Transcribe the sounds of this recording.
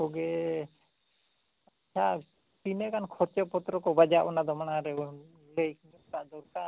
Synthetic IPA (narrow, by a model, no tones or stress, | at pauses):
ɔɡɛ | at͡ʃʰa | pinɛkankʰɔɾt͡ʃɔpɔt̪ɾɔkɔbad͡ʒaʔɔnad̪ɔmaɳaɾɛɔ | lejk | ɔt̪aʔd̪ɔɾka